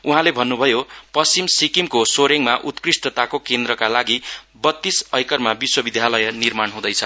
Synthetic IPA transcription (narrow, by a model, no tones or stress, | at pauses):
uɦãlebʱʌnːubʱʌjopʌst͡simsikimkosoɾeŋmaʔut̪krisʈʌt̪akokend̪ɾʌkalaɡi | bʌt̪ːisʌjkʌrmabiswʌbid̪ʱjalʌjnirmaɳɦũd̪ʌjt͡sʰʌ